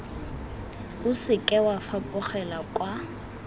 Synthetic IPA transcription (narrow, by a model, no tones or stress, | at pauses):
ʊsɪkʼɛwafapʼʊχɛlakʼwa